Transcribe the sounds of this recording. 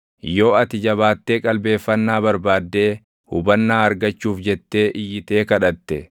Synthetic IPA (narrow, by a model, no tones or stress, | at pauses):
jo̞ːɐt̪ɪd͡ʒɐβaːt̪ːeːkʼɐlbe̞ːfːɐnːaːbɐɾbaːd̪ːe̞ː | hʊ̰bɐnːaːɐɾɡɐt͡ʃːuːfd͡ʒɛt̪ːe̞ːʔɪjːɪt̪e̞ːkɐᶑɐt̪ːɛ